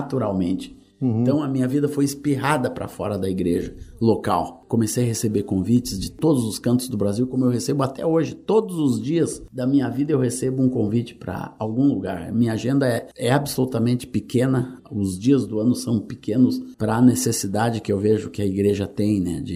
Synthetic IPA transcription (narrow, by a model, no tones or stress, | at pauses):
at̪uɾawmẽnt͡ʃɪ̥ | ẽɐ̃w̃ɐmĩɲɐvid̪ɐfojɪspiɦad̪ɐpɾɐ̰fɔ̰ɾɐd̪ɐiɡɾeʒɐlokawkomesejɐhesebeɾkõvit͡ʃɪzd͡ʒɪt̪od̪ʊzʊskɐ̃nt̪ʊzd̪ʊbɾaziwkõmʊewhesebʊat̪ɛ̰oʒɪt̪od̪ʊzʊzd͡ʒiɐzd̪ɐmĩɲɐvid̪ɐewhesebʊũkõvit͡ʃɪ̥pɾɐ̰awɡũluɡa̰ɾɐ̰mĩɲɐaʒẽnd̪ɐɛɛabɪsolut̪ɐmẽnt͡ʃɪ̥pɪkẽnɐʊzd͡ʒiɐzd̪ʊɐ̃nʊsɐ̃w̃pɪkẽnʊspɾɐːnesesid̪ad͡ʒɪkɪewveʒʊkɪɐiɡɾeʒɐt̪ẽj̃nɛ̰d͡ʒɪ